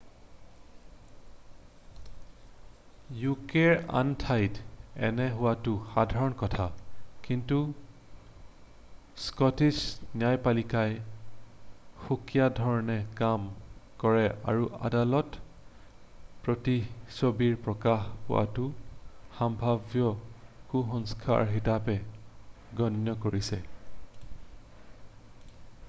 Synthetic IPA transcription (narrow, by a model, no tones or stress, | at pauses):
jukeɹa̰ntʰajdɛ̰nɛɦʊwatʊxadʱaɹɔnkɔtʰakintu | skɔtid͡ʒniajpalikaj | xukijadʱɔɹɔnɛkamkɔɹɛa̰ɹua̰dalɔt | pɹotisobiɹpɹɔkaxpʊ̰ʔa̰tuxambʱabjɔkuxɔŋskʰa̰ɹɦitapɛ | ɡɔnjɔkoɹisɛ